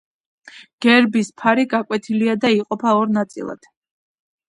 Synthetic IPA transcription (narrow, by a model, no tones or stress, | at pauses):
ɡ̥ɛɾbispʰaɾiɡakʼwɛt̪ʰiliad̪aiqʼɔpʰaɔɾnat̪sʼḭlˠa̰d̪̥